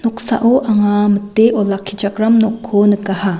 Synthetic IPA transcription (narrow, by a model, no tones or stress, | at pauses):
nɔksa̰ʔoʔaŋamətːeʔɔlakʰːid͡ʒakɾamnɔkʰːonɯkaha